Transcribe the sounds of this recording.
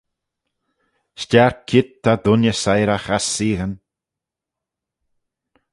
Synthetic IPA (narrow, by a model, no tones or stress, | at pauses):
ʃt͡ʃaɹkʰɪt̪ʰːad̪ʊnjəsajɾaxasiːɣən